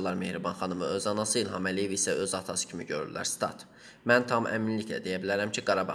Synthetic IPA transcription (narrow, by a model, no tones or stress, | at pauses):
lˠɑɾme̞hɾibɑnχɑnɯmɯø̞zɑnɑsɯilʲˠɦɑmælije̞visæʔø̞zɑt̪ʰɑsɯ̥cʰimḭɟø̞ɾy̰læ̰ɾst̪ɑ̰ɾt̪ | mænt̪ʰɑmʔæ̰minlicʰlæ̰d̪e̞jæbilæɾæmcʰiɡɑɾɑbɑ